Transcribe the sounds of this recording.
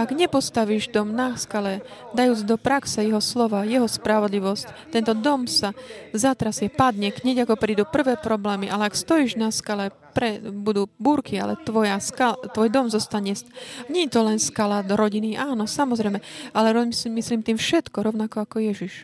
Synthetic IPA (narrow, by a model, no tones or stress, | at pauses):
aɡɲɛpɔst̪aʋiʒd̪ɔmnaskalɛd̪ajuːd͡zd̪ɔpɾaksɛjɛɦɔslɔʋajɛɦɔspɾaʋɔd̪liʋɔsct̪ɛnt̪ɔd̪ɔmsazat̪ɾasiɛpad̪ɲɛkɲɛɟakɔpɾiːd̪upr̩ʋɛːpɾɔblɛːmiʔalɛakst̪ɔjiʒnaskalɛ | pɾɛbud̪uːbuːɾkʰia̰lɛ̰t̪ʋɔjaskat̪ʋɔjd̪ɔmzɔst̪aɲɛsɲɛɲɛt̪ɔlɛnskalad̪ɾɔɟiniʔaːnɔsamɔzɾɛjmɛalɛɾɔmisliːmt̪iːmfʃɛt̪kɔɾɔʊnakɔakɔjɛʒiʃ